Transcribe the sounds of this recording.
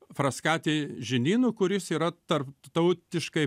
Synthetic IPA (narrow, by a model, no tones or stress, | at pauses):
fɾɐskɑːt̪ʲeːʒʲɪnʲiːnʊːkʊɾʲɪsiːɾɐt̪ɐrpt̪ɐʊt̪ʲɪʃkɐɪ